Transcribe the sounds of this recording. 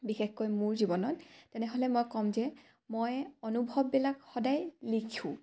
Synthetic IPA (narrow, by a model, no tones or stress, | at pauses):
bixexkɔjmuɹzibɔnɔttːɛnɛɦolɛmojkɔmzɛ | mojɔnubʱɔbːilakxɔdajlikʰũ